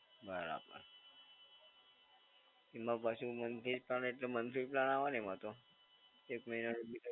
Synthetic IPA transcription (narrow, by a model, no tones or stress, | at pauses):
bəɾa̰pa̰ | imãpasumənt̪ʰid͡ʒplaneʈlemənt̪ʰiplanaʋanemat̪o | ekməɦinaɾubi